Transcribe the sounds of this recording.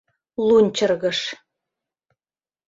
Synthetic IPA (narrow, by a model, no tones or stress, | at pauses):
lˠunʲt͡ɕɤ̆rɣɤ̆ʂ